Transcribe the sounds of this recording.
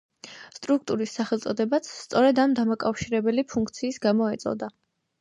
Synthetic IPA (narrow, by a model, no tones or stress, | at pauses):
st̪ʼɾuk̚ʰt̪ʼuɾisːaχɛlˠt̪sʼɔd̪ɛbat̪sʰːt̪sʼɔɾɛd̪amd̪amakʼafʃiɾɛbɛlipʰuŋkʰt̪sʰiːsɡamɔɛt̪sʼɔ̰d̪a